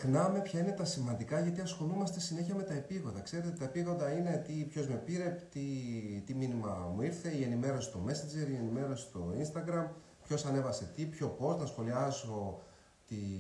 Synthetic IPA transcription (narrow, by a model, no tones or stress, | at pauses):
xnɐme̞pçɐine̞t̪ɐsimɐnd̪ikɐʝɐt̪iɐsxo̞numɐst̪e̞sine̞çiɐme̞t̪ɐepiɣo̞nd̪ɐkse̞ɾe̞t̪et̪ɐepiɣo̞nd̪ɐine̞t̪ipço̞zme̞piɾe̞pt̪it̪iminimɐmuiɾθe̞ie̞nime̞ɾo̞si̥t̪o̞me̞sind͡ʒe̞ɾie̞nime̞ɾo̞si̥t̪o̞inst̪ɐɡɾɐm | pço̞sɐne̞vɐse̞t̪ipço̞po̞st̪nɐsxo̞liɐzo̞ | t̪i